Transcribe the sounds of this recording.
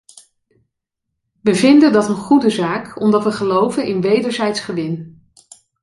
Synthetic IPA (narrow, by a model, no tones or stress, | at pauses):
ʋəvɪndəndɑtənχudəzaːkɔmdɑtʋəχəlowvənʔɪnʋejdəɹzɛjtsχəʋɪn